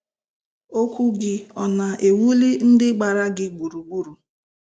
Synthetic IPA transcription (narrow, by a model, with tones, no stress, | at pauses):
o˦kʷu˦ɡɪ˦ɔ˨na˨ʔe˨wu˦li˦n̩˦dɪ˦ɡ͡ba˨ɾa˦ɡɪ˦ɡ͡bu˨ɾu˨ɡ͡bu˦ɾu˨